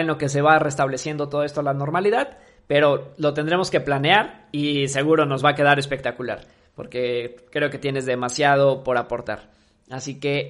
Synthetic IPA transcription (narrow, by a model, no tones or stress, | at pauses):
enlo̞ke̞s̬e̞βare̞st̪aβle̞sje̞nd̪o̞t̪o̞ðest̪oalano̞ɾmaliðað | pe̞ɾo̞lo̞t̪e̞nd̪ɾe̞mo̞ske̞planeaɾise̞ɣuɾo̞no̞zβake̞ð̞aɾe̞spe̞k̚t̪akula̰ɾ | po̞̰ɾke̞kɾe̞oke̞t̪je̞ne̞zðe̞masjað̞o̞po̞ɾapo̞ɾt̪a̰ɾ | asike̞